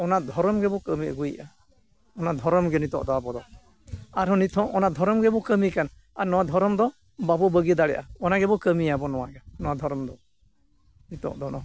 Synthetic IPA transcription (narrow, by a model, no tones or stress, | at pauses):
ɔnad̪ʱɔɾɔmɡɛbɔkəmiə̰ɡujʔa | ɔnad̪ʱɔɾɔmɡɛnit̪ɔ̰ʔd̪ɔwabɔd̪ɔ | aɾɦɔnit̪ʰɔ̃ʔɔnad̪ʱɔɾɔmɡɛbɔkəmikan | anɔwad̪ʱɔɾɔmd̪ɔ | babɔbəɡid̪aɽɛʔa̰ɔnaɡɛbɔkəmiabɔnɔwaɡanɔwad̪ʱɔɾɔmd̪ɔ | nit̪ɔ̰ʔd̪ɔnɔ